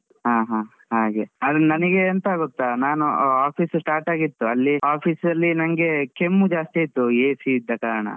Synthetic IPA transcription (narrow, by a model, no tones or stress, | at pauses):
ɦaːɦaː | ɦaːɡeɐd̪nɐnɐɡeɐnt̪aɡot̪ːanaːnuaːpʰiːssʈaːɾʈaːɡit̪ːuɐlːiaːpʰiːsɾɐlːinɐŋɐɡe̞kemːud͡ʒaːst̪iit̪ːueːsiːd̪ːɐkaːɾɐɳɐ̰